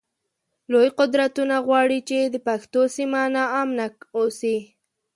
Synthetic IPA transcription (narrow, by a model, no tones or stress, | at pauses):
lojqʊd̪ɾat̪unaɣwɑɽit͡ʃed̪əpaxt̪osimanaːmnakosi